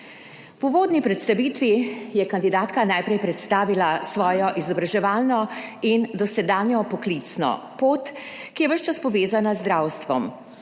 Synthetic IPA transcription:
uʋoːd̪nipɾɛt̪st̪aʋiːt̪ʋijɛkand̪id̪aːt̪kanaːjpɾɛjpɾɛt̪st̪aːʋilasʋɔːjɔʔizɔbɾaʒɛʋaːlnɔind̪ɔsɛd̪aːnjɔpɔklit̪snɔ̰poːt̪ | kijɛʋəʃt͡ʃaspɔʋeːzanazd̪ɾaːwst̪ʋɔ̰m

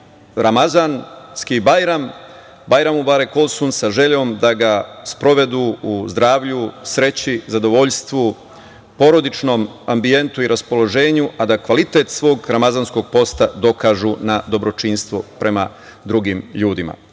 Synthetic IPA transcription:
ɾamazanskibajɾam | bajɾamubaɾeko̞lˠsunsaʒe̞ʎo̞ːmd̪aɡaspɾo̞ʋe̞d̪uuzd̪ɾaːʋʎusɾe̞t͡ɕizad̪o̞ʋo̞ʎst̪ʋu | po̞ɾo̞d̪it͡ʃno̞m | ambie̞nt̪uiɾʔaspo̞lo̞ʒe̞ːɲuʔad̪akʋalit̪e̞t̪sʋoːɡɾamazansko̞ɡ̚po̞st̪ad̪o̞kaːʒunad̪o̞bɾo̞t͡ʃinst̪ʋopɾe̞ma | d̪ɾuɡimʎuːd̪ima̰

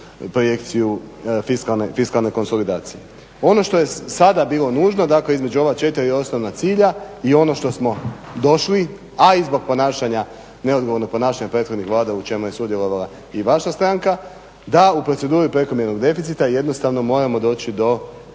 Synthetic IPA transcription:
pɾo̞je̞kt̪sijufiskalnefiskalˠneko̞nso̞lid̪aːt̪sije | o̞no̞ʃt̪o̞je̞sad̪abiːlˠo̞nuːʒno̞d̪akle̞izme̞d͡ʒuo̞ʋat͡ʃe̞t̪iɾio̞sno̞ʋnat̪siːʎaio̞no̞ʃt̪o̞smo̞d̪o̞ʃli | aizbo̞ɡ̚po̞naːʃaɲa | ne̞o̞d̪ɡoʋo̞ɾnopo̞naːʃaɲapɾet̪xod̪nixʋlaːd̪aut͡ʃe̞muje̞sud̪je̞lˠo̞ʋalˠa | iʋaʃast̪ɾaŋka | d̪aupɾo̞se̞d̪uːɾipɾe̞ko̞mjeɾno̞ɡd̪e̞fit̪sit̪aje̞d̪no̞st̪aʋno̞mo̞ːɾamo̞d̪o̞ːt͡ɕid̪o̞

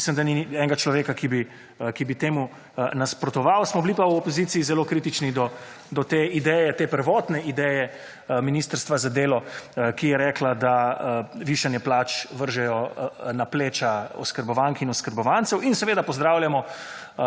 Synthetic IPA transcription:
mislimd̪aniɛːŋɡat͡ʃlɔʋeːkakibi | kibit̪eːmu | naspɾɔt̪ɔʋawsmɔblipawɔpɔzit̪sijːzɛloːkɾiːt̪it͡ʃnid̪ɔ | d̪ɔt̪eːid̪ɛːjɛt̪eːpəɾʋɔːt̪nɛid̪ɛːjɛ | miniːst̪əɾst̪ʋazad̪eːlɔkijɛɾɛːklad̪aʋiʃanjɛplaːt͡ʃʋəɾʒɛjɔnapleːt͡ʃaɔ̰skəɾbɔʋaŋkinɔskəɾbɔʋansɛwinsɛʋeːd̪apɔzd̪ɾaːwljamɔ

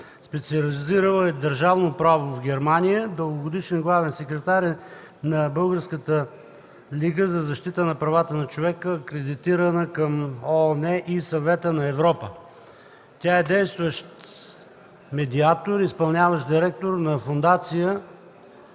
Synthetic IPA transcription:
spɛt̪siɐliziɾəlˠəɛd̪ɐɾʒavnopɾavovɡʲɛɾmanijəd̪əɡʊɡod̪iʃɛnɡlˠavɛnsɛkɾɛt̪aɾʲ | nɐbɤlˠɡəɾskət̪ə | liɡəzɐzɐʃt̪it̪ənɐpɾɐvat̪ənɐt͡ʃovɛkəːkɾɛd̪it̪iɾənəkɐmonɛʔisɐvɛt̪ənɐɛvɾɔpə | t̪ʲaɛd̪ɛjst̪vəʃt̪ | mɛd̪iat̪oɾispɐlˠnʲavəʃd̪iɾɛk̚t̪oɾnɐfond̪at̪sijə

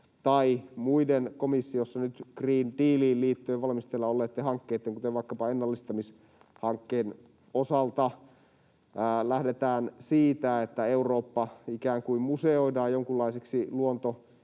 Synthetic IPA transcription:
t̪ɑimuidenkomisːiosːɑnyt̪kriːndiːliːlliːt̪ːøeːʋɑlmist̪elːɑolːet̪ːehɑŋkːeːt̪ːeŋkut̪eʋʋɑikːɑpɑenːɑlːist̪ɑmis | hɑŋkːeːn | osɑlt̪ɑ | læhdet̪æːnsiːt̪æet̪ːæeuroːpːɑikæːŋkuimmuseoidɑːjjoŋkulːɑiseksiluont̪o

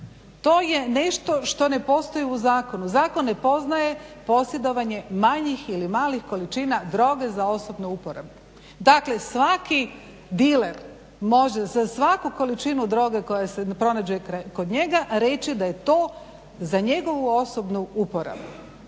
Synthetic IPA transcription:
t̪o̞ːje̞ne̞ʃt̪o̞ʃt̪o̞ne̞po̞ːst̪o̞jiuzaːko̞nuzaːko̞nːe̞po̞znaje̞po̞sje̞d̪o̞ʋaɲe̞maɲixilimaːlixko̞lit͡ʃinad̪ɾo̞ːɡe̞zao̞sobnuupoɾa̰bu | d̪akle̞sʋaki | d̪ileɾ | mo̞ʒezasʋakuko̞lit͡ʃinud̪ɾo̞ːɡeko̞jasepɾo̞nad͡ʑuekkod̪ɲe̞ɡaɾe̞t͡ʃid̪aje̞t̪o̞ː | zaɲe̞ɡo̞ʋuo̞sobnuupoɾa̰bu

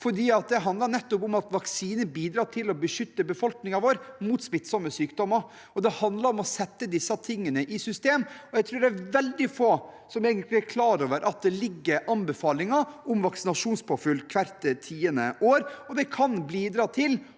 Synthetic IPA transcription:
fɔɖiːɑt̪̚d̪ɛɦɑnd̪lɑɾɳɛt̪ːʊpʊmɑt̪ʋɑksiːnəbiːd̪ɾɑːʈ̪ʰɪlɔbəʂʏt̪ːəbəfɔlknɪŋɑʋoːɾmuːt̪smɪt̪sɔməsyːkd̪ɔmːɑɾ | ɔd̪ɛhɑnd̪lɑɾɔmɔsɛt̪ːəd̪ɪsːɑt̪ʰɪŋːənəʔɪsʏst̪eːmɔjæɪt̪ʰɾʉːɖææʋɛld̪ɪfoː | sɔmeːɡənt̪lɪæɾkʰlɑːɾoːʋəɾʔɑt̪̚d̪ɛlɪɡːəɾʔɑnbɛfɑːlɪŋɑʔɔmʋɑksɪnɑʂuːnspʰʊfʏlːkʰʋæɾt̪t̪ʰiːənəʔoːɾɔd̪ɛkʰɑnbliːd̪ɾɑːt̪ʰɪl

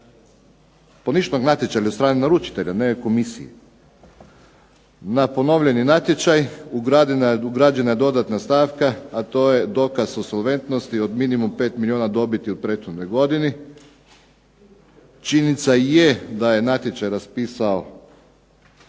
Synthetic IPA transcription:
po̞niʃnoɡnat̪jet͡ʃaʎaost̪ɾaːninaɾut͡ʃi̥t̪e̞ʎaneko̞misḭjḛ | napo̞no̞ʋʎe̞ninat̪jet͡ʃajuɡɾad̪uɡɾad͡ʒenajed̪o̞d̪at̪nast̪aːʋkaːt̪o̞ːje̞d̪o̞kasosolˠʋe̞nt̪no̞st̪io̞d̪minimumpe̞ːt̪milioːnad̪o̞bit̪iupɾe̞t̪xod̪no̞jɡo̞d̪ini | t͡ʃinit̪sajed̪aje̞nat̪je̞t͡ʃajɾaspiːsao

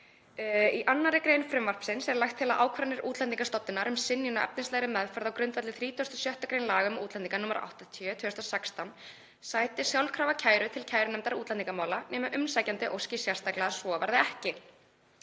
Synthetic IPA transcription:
iʔanːaɾɪkɾejnfɾɛmvar̥psɪnsɛɾlajxt̪ʰːɪlaðʔa̰ːwkʰvanɪɾuːt̪lɛnt̪iŋkast̪ɔt̪ːɪnaɾʏmsɪnːjunaʔɛ̰p̚nɪnslɛɣɾɪmɛðfœɾðawkɾʏnt̪vɛt̪lɪθɾiːt̪ʰɔst̪ʏ̥sjœht̪akɾejnlaːɣʏmuːt̪lɛniŋkanʊmaɾʔa̰wht̪at̪ʰœt̪ʰvʏːst̪asɛkst̪an | saːjt̪ɪsjawlkʰɾaːvacʰaːjɾʏt̪ʰɪlcʰaːjɾʏnɛmt̪aɾuːt̪lɛnt̪iŋkamaːwlanɛːmɪʔʏmnsaːjcant̪ɪʔo̰wscɪsjɛrst̪aklaðasvɔva̰ɾðɪɛhcɪ

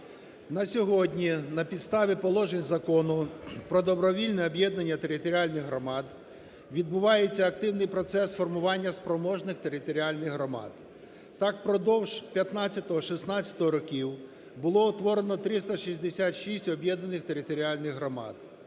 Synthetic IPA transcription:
nɐsʲɔɦɔdʲnʲinɐpʲid̪st̪ɑʋʲipɔlˠɔʒenʲzɐkɔnʊpɾɔd̪ɔbɾɔʋʲilʲnɛɔbʲjɛd̪nɐnʲːɐt̪e̞ɾɪt̪ɔɾʲialʲnɪɣɦɾɔmɑd̪ | ʋʲid̪̚bʊʋɑjet͡sʲːɐɐk̚t̪ɪwnɪjpɾɔt̪sɛsfɔrmʊʋɑnʲːɐspɾɔmɔʒnɪxt̪eɾɪt̪ɔɾʲialʲnɪɣɦɾɔmɑ̰d̪ | t̪ɑkpɾɔd̪ɔwpʲjɐt̪nɑt͡sʲːɐt̪ɔɦɔʃɪsnɑt͡sʲɐ̥t̪ɔɦɔɾɔkʲiw | bʊlˠɔɔt̪ʋɔɾenɔt̪ɾɪst̪ɐʃizʲd̪esʲat̪ʃisʲtʲɔbʲjɛd̪nɐnɪxt̪e̞ɾɪt̪ɔɾʲialʲnɪɣɦɾɔmɑ̰d̪̚

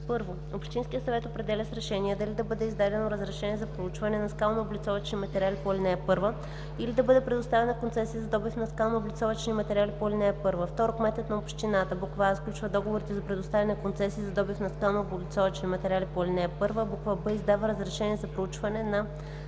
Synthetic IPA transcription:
pɤɾvo | opʃt̪inskʲijət̪sɐvɛt̪opɾɛd̪ɛlʲəsɾɛʃɛniɛd̪ɐlid̪ɐbɤd̪ɛizd̪ad̪ɛnoɾəzɾɛʃɛniɛzɐpɾout͡ʃvɐnɛnɐskalˠnoːblʲit̪sɔvɐt͡ʃnimɐt̪ɛɾʲalipolʲinɛːpɤɾvə | ilid̪ɐbɤd̪ɛpɾɛd̪ʊst̪avʲɛnɐkont̪sɛsiəzɐd̪ɔbifnɐskalˠnoːblit̪sɔvɐt͡ʃnimɐt̪ɛɾʲalipoilʲinɛːpɤɾvəft̪ɔɾokmɛt̪ɛt̪nɐopʃt̪inat̪əbukvasklʲut͡ʃvəd̪ɔɡovoɾit̪ɛzɐpɾɛd̪ʊst̪avʲɐnɛkont̪sɛsiːzɐd̪ɔbifnɐskalˠnoːblit̪sɔvɐt͡ʃnimɐt̪ɛɾʲalipolʲinɛːpɤɾvəbukvabəizd̪avəɾəzɾɛʃɛniɛzɐpɾout͡ʃvɐnɛnɐ

